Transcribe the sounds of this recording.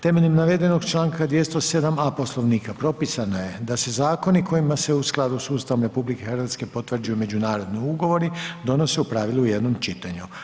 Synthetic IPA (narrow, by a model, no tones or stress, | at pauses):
t̪e̞me̞ʎimnaʋe̞d̪e̞no̞ɡt͡ʃlaːŋkad̪je̞st̪o̞se̞d̪amapo̞slˠo̞ʋniːkapɾo̞pisanoje̞d̪ase̞zaːko̞niko̞jimase̞usklˠad̪usuːst̪aʋomɾe̞publike̞xɾʋat̪ske̞po̞t̪ʋr̩d͡ʒujume̞d͡ʑunaːɾo̞d̪niuɡo̞ʋo̞ɾid̪o̞no̞seupɾaʋilˠujed̪no̞mt͡ʃit̪aɲu